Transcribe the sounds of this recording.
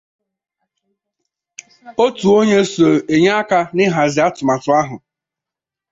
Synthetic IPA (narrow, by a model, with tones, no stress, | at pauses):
o˦tu˨o˦ɲe˦so˨e˨ɲa˦a˦ka˦nɪ˦ɦa˨zɪ˨˦a˦tʊ˨ma˨tʊ˨a˦ɦʊ˨